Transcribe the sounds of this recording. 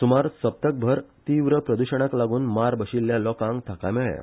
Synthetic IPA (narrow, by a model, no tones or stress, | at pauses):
sumaɾsəp̚t̪ək̚bʱəɾt̪iːʋɾəpɾəd̪uɕəɽ̃aklaɡuːnmaɾbəɕilːjalɔkãŋɡt̪ʰakamɛɭja̰